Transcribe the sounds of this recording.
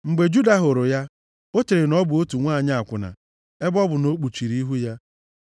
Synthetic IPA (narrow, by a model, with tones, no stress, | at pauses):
ŋ͡m̩˨ɡ͡be˨d͡ʒu˦da˨ɦʊ˨ɾʊ˨ja˦ | o˦t͡ʃe˨ɾɪ˨nɔ˦bʊ˨o˦tu˨ŋʷaː˦˨ɲa˦a˨kʷʊ˨na̰˨ | e˦bɔ˦bʊ˨no˦k͡pu˨t͡ʃi˨ɾi˨˦i˦ɦu˦ja˦